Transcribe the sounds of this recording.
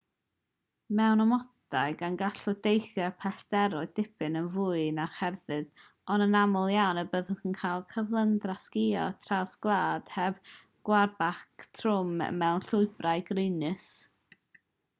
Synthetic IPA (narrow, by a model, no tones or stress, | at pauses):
mɛwnɔmɔdaɨɡanɡaɬʊdejθjɛpʰɛɬd̥ɛɾʊɨd̥ɪpʰɨnənvʊːɨnaχɛrðɨð | ɔnənamɔlˠjawnəbəðʊχənkʰaːlˠkʰəvlˠəndraskɪɔ̰tʰrawsɡlˠaːd̥hɛb̥ | ɡ̥warbaktʰrʊmə̰mɛwnɬʊɨbraɨɡrɪnɨs